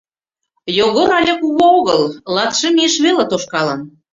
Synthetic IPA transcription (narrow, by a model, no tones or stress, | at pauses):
joɣoɾɑlʲɑkuɣooɣɤllɑt̪ʃĕmieʃβelet̪oʃkɑlən